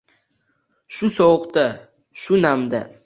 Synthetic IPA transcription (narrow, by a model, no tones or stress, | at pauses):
ʃʊsowʊqt̪a | ʃʊnamd̪a̰